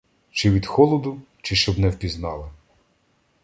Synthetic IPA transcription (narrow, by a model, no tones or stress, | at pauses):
t͡ʃɪʋʲid̪xɔlˠɔd̪ʊ | t͡ʃɪʃt͡ʃɔbnɛwpʲiznɑlˠɪ